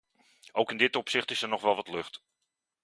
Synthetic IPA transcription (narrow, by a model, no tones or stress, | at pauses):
owkɪndɪtɔpsɪχtɪsɛɹnɔχʋɛlˠʋɑtlɵχt